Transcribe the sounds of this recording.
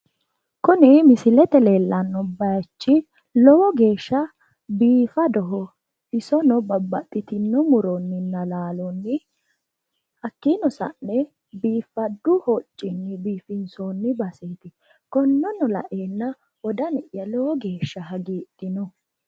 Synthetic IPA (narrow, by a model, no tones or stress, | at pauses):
kʊnɪmɪsɪlɛt̪ɛle̞ːlːɐnːɔbɐjt͡ʃːɪ | lɔwɔɡe̞ːʃːɐ | biːfɐd̪ɔɦɔ | ɪsɔnɔbɐbːɐt̪ʼːɪt̪ɪnːɔmʊɾɔnːɪnːɐlaːlɔnːɪ | hɐkːinɔsɐ̰nːɛ | biːfːɐd̪ːʊhɔt͡ʃʼːɪnːɪbiːfɪnsoːnːɪbɐseːt̪ɪ | kɔnːɔnɔlɐ̰ʔeːnːɐ | wɔd̪ɐnɪʔjɐlɔwɔɡeːʃːɐɦɐɡiːt̪ːɪnɔ